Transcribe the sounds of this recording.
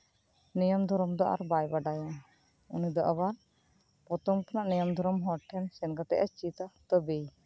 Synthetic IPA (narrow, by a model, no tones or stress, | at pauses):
nɛjɔmd̪ʱɔɾɔmd̪ɔʔa̰ɾbajbaɖajɔ | ṵnid̪ɔʔaβaɾ | pɔt̪ɔŋkɔnaʔnɛjɔmd̪ʱɔɾɔmɦɔʈʰːɛnsɛnɡat̪ɛ̰ʔat͡ʃit̪at̪ɔbej